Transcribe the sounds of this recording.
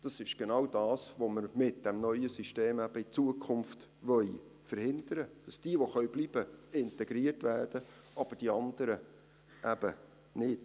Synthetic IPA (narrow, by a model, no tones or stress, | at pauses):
d̥ɑsɪʃɡ̥enɑwdɑːsʋoməɾmɪt̚d̥ɛmnœʏəsiʃteːmæb̥əit͡suəkʰʊmft | ʋœʏ | fəɾhɪnd̥əɾəd̥ɑsd̥iəʋoχœɥb̥liːb̥əɪntɛɡ̥ɾiərtʋæːrd̥əʔɑb̥əd̥iɑnd̥əɾə | ʔæb̥ə | nɪt